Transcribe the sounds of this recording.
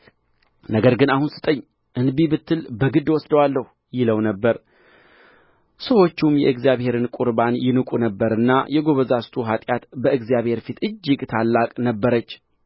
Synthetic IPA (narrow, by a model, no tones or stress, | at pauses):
nəɡəɾɡɨnahunsɨ̥t̪ʼəɲː | ʔɨnbibɨt̪ʰːɨlbəɡɨd̪ːwɔsd̪əwalːəhu | jɪləwnəbːəɾ | səwo̞t͡ʃːumjɛɨɡzjaβhe̞ɾɨnkʼuɾbanjɪnɨkʼunəbːəɾɨnːajɛɡo̞βəzast̪ʰuɦat̪ʼjat̪bəɨɡzjaβhe̞ɾfit̪ɨd͡ʒːɪɡt̪ʰalːakʼnəbːəɾət͡ʃː